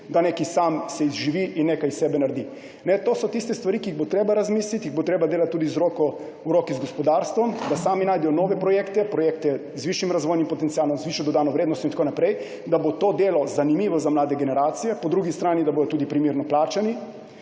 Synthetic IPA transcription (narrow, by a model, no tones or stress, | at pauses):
d̪aneːkisamsɛizʒiʋiʔinːeːkajsɛːbɛnaɾd̪i | nɛt̪oːsɔt̪ist̪ɛst̪ʋaɾikiːɣbot̪ɾeːbaɾazmiːslit̪jiɣbot̪ɾeːbad̪eːlat̪ːuːd̪izɾokɔ | uɾoːkizɡɔspɔd̪aːɾst̪ʋɔmd̪asaːminaːjd̪ɛjɔnɔːʋɛpɾɔjeːkt̪ɛpɾɔjek̚t̪ɛ | zʋiʃimɾazʋoːjnimpɔt̪ɛnt̪siaːlɔmzʋiʃjɔd̪ɔd̪aːnɔʋɾeːd̪nɔst̪ɔint̪akonapɾɛj | d̪abot̪oːd̪eːlɔzanimiːʋɔzamlaːd̪ɛɡɛnɛɾaːt̪sijɛpɔd̪ɾuɡist̪ɾaːnid̪aboːd̪ɔt̪uːd̪ipɾimiɾnɔplaːt͡ʃani